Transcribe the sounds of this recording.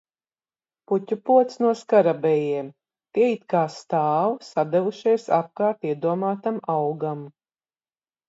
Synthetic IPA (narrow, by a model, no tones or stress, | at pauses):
putʲupuɔt̪snuɔskaɾabɛjiɛm | t̪iɛit̪kaːst̪aːwsad̪ɛvuʃijsa̰p̚kaːɾt̪iɛd̪uɔmaːt̪amawɡam